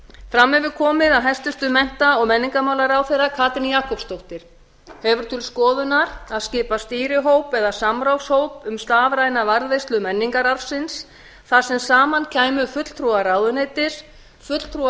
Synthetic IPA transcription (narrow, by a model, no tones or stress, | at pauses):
fɾamːɛvɪɾkʰɔːmɪðaðɦɛjst̪ʏst̪ʏmɛn̥t̪aɔɣmɛnːiŋkamawlaɾawθejɾakʰaːt̪ɪnjaːhkɔpst̪owht̪ɪɾ̥ | hɛvʏɾ̥t̪ʰɪlskɔːðʏnaɾaðscɪːpast̪iːɾɪɦowpɛðasamɾawshowpʏmst̪aːvɾajnavaɾðejst̪lʏmɛnːiŋkaɾaɾfsɪns | θḁsɛmsaːmancʰaːjmʏfʏt̪l̥t̪ʰɾuaɾaːwðʏneːjt̪ɪɾ̥ | fʏt̪l̥t̪ʰɾu